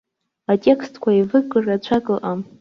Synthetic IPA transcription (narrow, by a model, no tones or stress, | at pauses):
atʼe̞kʰstʰkʷʰaivɨkʼɨrat͡ɕʷʰakʼɨlʔam